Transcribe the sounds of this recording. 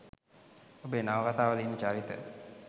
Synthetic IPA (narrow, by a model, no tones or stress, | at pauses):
obenaʋəkat̪aːʋəliːnːət͡ʃaːɾit̪ə̰